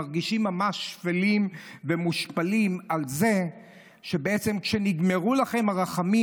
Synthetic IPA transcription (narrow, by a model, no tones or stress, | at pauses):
aʁɡiʃimːamaʃːfelimvemuʃpalimalze | ʃebeet͡semkʃeniɡmeʁulaχe̞maʁaχami